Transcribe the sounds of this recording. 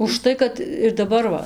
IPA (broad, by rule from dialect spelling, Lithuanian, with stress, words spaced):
ʊʃˈtɐɪ kɐt ɪr dɐˈbɐr ʋɐ